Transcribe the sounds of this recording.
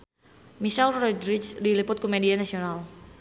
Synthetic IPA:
miʃɛlrɔdɾid͡ʒdilipʊt̪̚kumɛdianasional

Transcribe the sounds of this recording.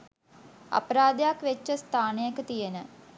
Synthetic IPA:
a̰pəɾaːd̪jakʋet͡ʃːəst̪ʰaːnejəkət̪ijenə

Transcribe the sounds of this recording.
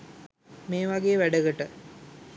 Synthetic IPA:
meːʋaɡeːʋæɖəɡəʈə

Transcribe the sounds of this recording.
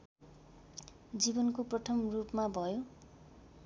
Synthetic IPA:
d͡zibʌnkoprʌt̪ʰʌmrupmabʱʌjo

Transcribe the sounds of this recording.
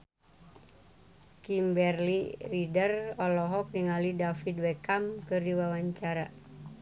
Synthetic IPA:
kimbɛrliridərɔlɔɦɔk̚niŋalidafid̚wɛkamkɨrdiwawaɲt͡ʃaɾa

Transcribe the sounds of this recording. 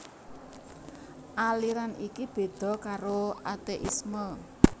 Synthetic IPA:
ʔaliɾanikib̥e̤d̪̥ɔ̤kaɾoat̪eʔisməl

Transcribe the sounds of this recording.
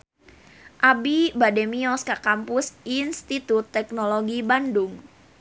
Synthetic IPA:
ʔabibademiɔskakampʊsinst̪it̪ut̪ːɛk̚noloɡibandʊŋ

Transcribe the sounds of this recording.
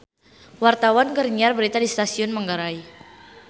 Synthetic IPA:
wart̪awankərɲiarbəɾit̪adist̪asiʊnməŋɡaɾai

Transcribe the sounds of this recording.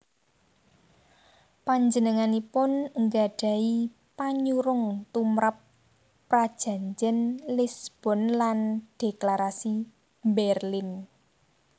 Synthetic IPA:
paɲd͡ʒənəŋanipʊnəŋɡaɖ̥a̤i | paɲuɾʊŋt̪umɾapː | ɾad̥ʒ̥ä̤ɲd͡ʒɛnlisb̥ɔ̤nland̥eklaɾasi | mbɛrlɪn

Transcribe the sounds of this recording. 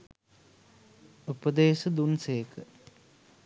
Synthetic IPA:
upəd̪eːsəd̪unseːkʰə

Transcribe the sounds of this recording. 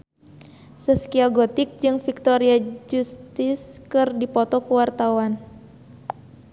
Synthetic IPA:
səskiaɡɔt̪ɪk̚d͡ʒɨŋfik̚t̪ɔɾiad͡ʒust̪ɪskɨrdipɔt̪ɔkuwart̪awan

